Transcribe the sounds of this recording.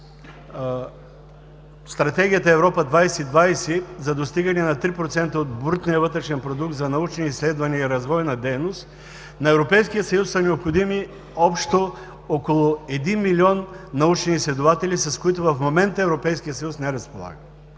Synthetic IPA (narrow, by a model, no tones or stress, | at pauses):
st̪ɾɐt̪ɛɡʲijət̪əɛvɾɔpəd̪vajsɛid̪vajsizɐd̪ost̪iɡɐnɛnɐt̪ɾipɾot̪sɛnt̪əot̪̚but̪nijəvɤt̪ɾɛʃɛnpɾod̪uk̚t̪zɐnɐut͡ʃniislɛd̪vɐniəiɾɐzvɔjnɐd̪ɛjnost̪ | nɐɛvɾopɛjskijət̪sɐjusːɐnɛopxod̪imi | ɔpʃt̪o | okolˠʊɛd̪inmilʲiɔnnɐut͡ʃniːslɛd̪ovat̪ɛlʲisɐskoit̪ʊvɐfmomɛnt̪əɛvɾopɛjskijət̪sɐjusnɛɾɐspolˠa̰ɡə